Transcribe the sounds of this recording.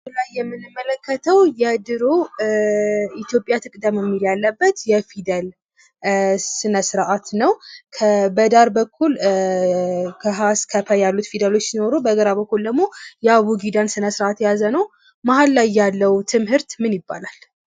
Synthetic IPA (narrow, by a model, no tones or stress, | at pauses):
ulajːɛmːɨnːɨmːələkːət̪ʰəwjɛd̪ɨɾo | it̪jo̞pʼjat̪ʰɨkʼd̪əmjɛmːiljalːəbːət̪jɛfid̪əl | sɨnəsɨɾʔat̪nəwkʰəbəd̪aɾbəkʰːul | kʰəɦaskʰəfəjalːut̪fid̪əlo̞t͡ʃːsino̞ɾubəɡəɾabəkːuld̪əɡmːo̞jɛaβuɡid̪ansɨnəsɾat̪jazənəw | mahalːajːalːəwt̪ʰɨmhɨɾt̪mɨnjɪbːa̰lal